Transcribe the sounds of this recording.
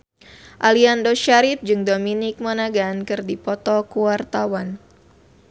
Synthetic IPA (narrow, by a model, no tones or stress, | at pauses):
ʔaliandoʃaɾip̚d͡ʒɨŋdominɪk̚manaɡankɨrdipɔt̪ɔkuwart̪awan